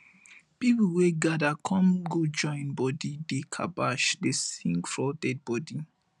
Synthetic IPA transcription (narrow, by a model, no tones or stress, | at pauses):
pipuweɡadakʰɔ̃mɡod͡ʒɔ̃ɪ̃nbɔdidekʰa̰baʃdesḭ̃ŋɡfɹɔdɛd̚bɔdi